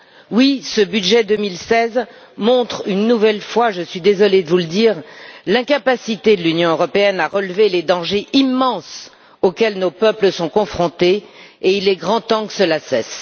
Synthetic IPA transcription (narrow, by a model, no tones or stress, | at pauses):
wisəbyd̪ʒɛd̪əmilsɛz | mɔ̃t̪χynːuvɛlfwaʒəsɥid̪ezɔled̪əvuləd̪iːʁlɛ̃kapasit̪ed̪əlynjɔ̃øʁɔpeɛnaʁəlveled̪ɑ̃ʒeʔimːɑ̃s | okʲɛlnopœpləsɔ̃kɔ̃fχɔ̃t̪eeilɛɡʁɑ̃t̪ɑ̃kə̥səlasɛs